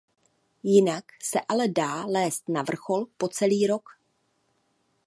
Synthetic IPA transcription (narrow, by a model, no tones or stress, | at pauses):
jɪnaksɛʔalɛdaːlɛːst̪navr̩xo̞lpo̞t͡sɛliːɾo̞k